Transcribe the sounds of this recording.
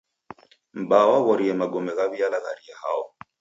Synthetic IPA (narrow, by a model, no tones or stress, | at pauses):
m̩bawaβɔɾiɛmaɡɔmɛɣaβialaɣaɾiahaɔ